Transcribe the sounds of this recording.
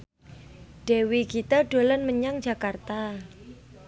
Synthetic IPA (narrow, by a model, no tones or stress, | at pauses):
ɖ̥e̤wikit̪aɖ̥o̤lanməɲaŋ̥d͡ʒ̥a̤kart̪a